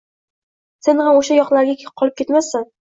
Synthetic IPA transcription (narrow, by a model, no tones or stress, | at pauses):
senhamoʃajɒqlˠaɾɡʲakʲʰqʰɒlɪpkʲʰet̪masɪn